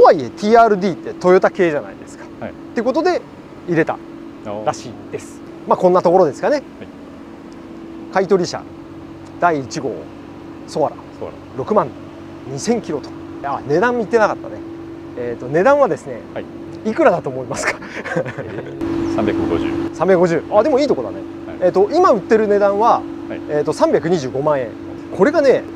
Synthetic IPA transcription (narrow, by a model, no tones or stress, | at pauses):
toβaie̞t̪ʲʰiːaːɾɯ̟d̪ʲiːt̪ːe̞t̪o̞jo̞t̪ake̞ːʑana̰id̪e̞sɨ̥kḁt̪ːeɯ̟kot̪o̞d̪e̞ | iɾe̞t̪a̰ | ɾaɕiːd̪e̞sɨ̥ | makõ̞nːat̪o̞ko̞ɾod̪e̞sɨ̥kane̞ | kait̪o̞ɾʲiɕa̰ | d̪̥aiːt͡ɕiɡo̞̰ː | so̞βaɾa̰ | ɾo̞kɯ̟mãn | ɲ̟isẽ̞ŋkʲiɾo̞t̪o̥ | ane̞d̪ãmit̪ːe̞nakat̪ːa̰ne̞ | eːt̪ːo̞ne̞d̪ãɰ̃βad̪e̞sɨne̞̰ | ikɯ̟ɾad̪at̪o̞ːmo̞imasɨ̥kḁ | aɡ̰sãmbʲakɯ̟ɡoʑɨːad̪emo̞iːt̪o̞kod̪a̰ne | eːt̪ːoʔimaɯ̟t̪ːe̞ɾɯ̟ne̞d̪ãɰ̃βa | eːt̪ːo̞sãmbʲjak̬ɯ̟ɲ̟iʑɨːɡo̞mãɰ̃ẽ̞ŋ | kʰo̞ɾe̞ɡane̞